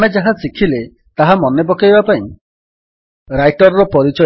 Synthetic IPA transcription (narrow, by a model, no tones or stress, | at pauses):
med͡ʒaɦasikʰile | t̪aɦamɔnebɔkajbapaĩ | ɾajʈɔɾɾɔpɔɾit͡ʃɔ